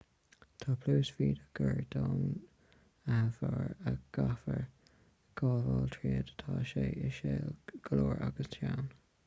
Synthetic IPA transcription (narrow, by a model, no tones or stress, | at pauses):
t̪ʰɑːpʰluːsfiːd̪əɡ̥əɹd̪ɑːn | avəɹəɡ̥afəɹ | ɡ̥ɑːvɑːlt̪ʰɹiːəd̪ət̪ʰɑːʃeːəʃeːlɡ̥əloːɹʔaɡəst̪ʰjawn